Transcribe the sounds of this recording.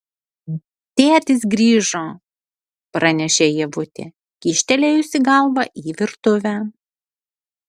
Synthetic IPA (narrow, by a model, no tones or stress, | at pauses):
t̪ʲeːt̪ʲɪs̬ɡɾʲiːʒoː | pɾɐnʲɛʃʲeːjɛʋʊt̪ʲḛː | kʲiʃʲt̪ʲɛlʲeːʊʃʲsʲɪɡɐˑlˠʋɐʔiːʋʲɪɾt̪ʊʋʲæː